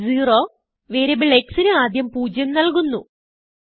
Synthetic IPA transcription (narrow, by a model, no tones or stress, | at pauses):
ziːro̞ː | ʋeːɾebiɭeksinɨaːd̪ʱjɐmpuːd͡ʑjɐmnɐɭkunːu